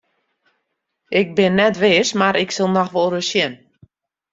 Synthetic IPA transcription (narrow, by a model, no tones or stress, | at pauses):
ʔɪk̚bɪnːɛtʋɪːsmaɾɪksɪlˠnɔxʋɔlˠrəsjɛn